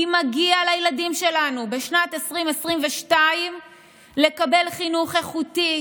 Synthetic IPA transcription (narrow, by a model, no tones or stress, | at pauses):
imaɡialajladimʃe̞lanubeʃnatesʁimesʁimveʃtaim | le̞kabe̞lχinuχe̞χuti